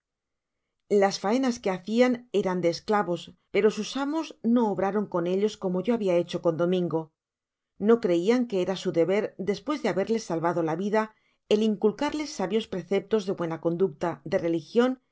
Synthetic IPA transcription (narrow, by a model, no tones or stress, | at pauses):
lasfae̞naske̞aθiane̞ɾand̪e̞ːsklaβo̞spe̞ɾo̞susamo̞zno̞ːβɾaɾo̞ŋko̞ne̞ʎo̞sko̞mo̞ʝo̞aβiae̞t͡ʃo̞ko̞nd̪o̞mĩŋɡo̞ | no̞kɾe̞iaŋke̞eɾasuðe̞βe̞ɾd̪e̞spwe̞zðeaβe̞ɾle̞sːalβaðo̞laβiða | e̞liŋkulkaɾle̞sːaβjo̞spɾe̞θe̞p̚t̪o̞zðe̞βwe̞nako̞nd̪uk̚t̪aðe̞re̞lixjo̞n